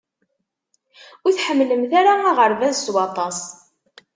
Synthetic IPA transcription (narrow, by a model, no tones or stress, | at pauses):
ʊθħəmːləmθaɾaaʁəɾvæzswɑt̪ˤɑs